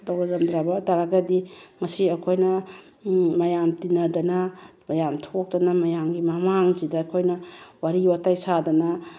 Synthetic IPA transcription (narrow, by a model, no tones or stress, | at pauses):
dawɾɐɾɐmdɾabɐtaɾaɡɐdiŋɐsiɐkʰojnɐ | mɐjamtinɐdɐnɐmɐjamtʰok̚dɐnɐmɐjamɡimɐmaŋzidɐːkʰojnɐwaɾiwatajsadɐnɐ